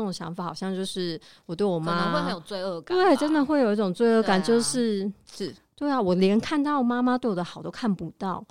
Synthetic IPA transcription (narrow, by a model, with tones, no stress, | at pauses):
ʈ͡ʂŋɕjɑ̰˧˥ŋfa˨˩xɑ˨˩ʊɕjɑ˥˧ŋt͡ɕjo˥˧ʊʂɻ̩˥˩ | wɔ˨˩t̪we˥˩ɪwɔ˨˩ma˥wjo˨˩ʊt͡swe˥˧ɪə˥˧kt̪wwe˥˩ɪʈ͡ʂə˥nd̪ə˨xwe˥˩ɪjo˨˩ʊi˥ʈ͡ʂʊ˨˩ŋt͡swe˥˧ɪɤ˥˩ka˨˩nt͡ɕjo˥˧ʊʂɻ̩˥˧ʂ̩˥˩t̪we˥˩ɪa˨˩wɔ˨˩ljɛ˧˥nkʰa˥˧nt̪ɑ˥˩ʊwɔ˨˩ma˥ma˧t̪wɪwɔ˨˩d̪ə˧xʊt̪o˥kʰa˥˩npu˧˦t̪ɑ˥˩ʊ